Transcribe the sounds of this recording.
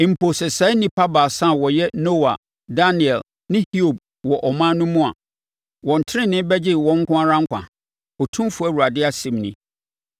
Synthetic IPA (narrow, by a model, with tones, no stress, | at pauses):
ɪ̃˨m̩˨pʰo˨sɛ˨sɛ˨˦nĩ˨pʰa˦ba˨sa˦˨wɔ˨jɛ˦no˦wa̰˨ | da˦ni˨ɛ˨l | nɪ̃˦hi˦o˨b̚ | wɔ˨ʔɔ˨mã˦nʊ̃˦mũ˦a̰˨ | wɔ̃˨n̩˨tʰɪ˦ɾɪ̃˦nɪ̃˦bɛ˦d͡ʑɪ˦˨wɔ̃˦ŋ̩˦kʰʊ̃˦a˦ɾã˦ŋ̩˦kʷã̰˨ | ɔ˨tʰũ˦m˦fu˨˦æ˦˨wu˨ɾa˨dɪ˦a˨sɪ̃˨mnĩ˦